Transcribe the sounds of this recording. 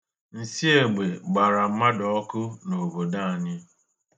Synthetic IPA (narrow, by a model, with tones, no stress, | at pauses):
n̩˨si˦e˨ɡ͡be˨ɡ͡ba˨ɾa˨m̩˦ma˦dɔ˨˦kʊ˦no˨bo˨da˦a˨ɲɪ˦